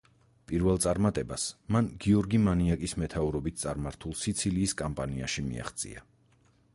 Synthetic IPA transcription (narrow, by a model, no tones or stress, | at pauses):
pʼiɾvɛlˠt̪sʼaɾmat̪ʼɛbasmanɡiɔɾɡimaniakʼismɛt̪ʰauɾɔbit̪̚ʰt̪sʼaɾmaɾt̪ʰulˠsit̪sʰiliːskʼampʼania̰ʃimḭa̰χt̪sʼḭa̰